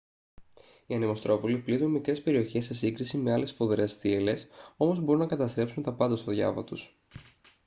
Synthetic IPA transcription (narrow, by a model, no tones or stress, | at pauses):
iɐnemo̞st̪ɾo̞puliplit̪unmikɾe̞spe̞ɾio̞çe̞sːe̞siŋɡɾisime̞ɐle̞sfo̞ðɾe̞sθiele̞so̞mo̞zbo̞ɾunɐkɐt̪ɐst̪ɾe̞psunt̪ɐpɐnd̪ɐst̪o̞ðʝɐ̰vɐ̰t̪us